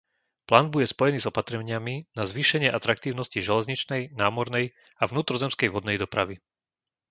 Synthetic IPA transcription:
plaːnbuɟɛspɔjɛniːzɔpat̪ɾɛɲɪaminazʋiːʃɛɲɪɛʔat̪ɾak̚t̪iːʊnɔsciʒɛlɛzɲit͡ʃnɛjnaːmɔɾnɛj | avʋnuːt̪ɾɔzɛmskɛjʋɔd̪nɛjd̪ɔpɾaʋi

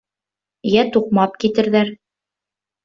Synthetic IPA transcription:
jæt̪uq̚mɑp̚kit̪ɘ̆ɾðæɾ

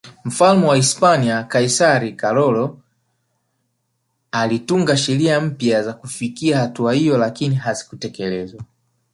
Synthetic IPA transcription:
m̩falmɛwaispaniakaisaɾikalɔlɔ | alituŋɡaʃɛɾiam̩pjazakufikiahatuahijɔlakiniɦazi̥kutɛkɛlɛzwa

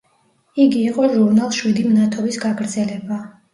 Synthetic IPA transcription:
iɡiːqʼɔʒuɾnalˠʃwid̪imnat̪ʰɔbisɡaɡɾd̪zɛlɛba

